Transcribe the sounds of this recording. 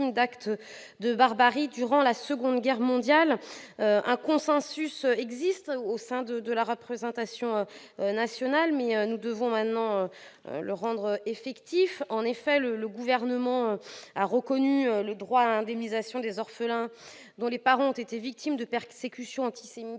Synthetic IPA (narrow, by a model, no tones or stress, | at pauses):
md̪akt̪ | d̪əbaʁbaʁid̪yʁɑ̃lasəɡɔ̃d̪ɡʲɛʁmɔ̃d̪jaløʔɛ̃kɔ̃sɑ̃sysøɛɡzist̪osɛ̃d̪əd̪əlaʁəpχezɑ̃t̪asjɔ̃ø | nasjɔnalmɛønud̪əvɔ̃mɛ̃t̪nɑ̃ø | ø̰ləʁɑ̃d̪ʁəefɛkt̪ifɑ̃nefɛlələɡuvɛʁnəmɑ̃øaʁəkɔnyøləd̪ʁwalɛ̃d̪ɛmnizasjɔ̃d̪ezɔʁfəlɛ̃ | d̪ɔ̃lepaʁɑ̃ɔ̃t̪et̪evik̚t̪imd̪əpɛʁsekʲysjɔ̃ɑ̃t̪i̥semi